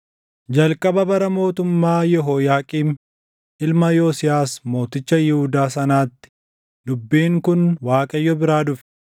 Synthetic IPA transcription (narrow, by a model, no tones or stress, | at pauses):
d͡ʒɐlkʼɐbɐbɐɾɐmo̞ːt̪ʊmːaːjɛɦoːjaːkʼiːm | ʔɪlmɐjoːsɪjaːsmo̞ːt̪ɪt͡ʃːɐjɪhʊd̪aːsɐnaːt̪ːɪ̥ | d̪ʊbːiːŋkʊnwaːkʼɐjːɔbɪɾaːd̪ʊfɛ̥